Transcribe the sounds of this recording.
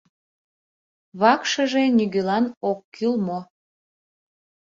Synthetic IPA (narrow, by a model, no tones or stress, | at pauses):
βɑkʃəʒeniɣølɑnokːylmo